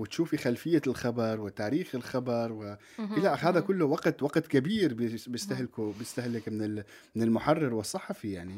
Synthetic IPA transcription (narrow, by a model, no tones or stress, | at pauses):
wɪt̪ʃuːfixalfɪjːalxabɑɾˤwɪt̪aːɾiːxɪlxabɑɾˤwɪ | ʔɪlaʔɦaːðakʊlːʊwɑqt̪wɑqt̪kɪbiːɾbbɪst̪ahlkʊbɪst̪ahlɪkmɪnɪl | mɪnɪlmʊħɑrˤːɪɾwɪsˤːɑħɑfijaʕni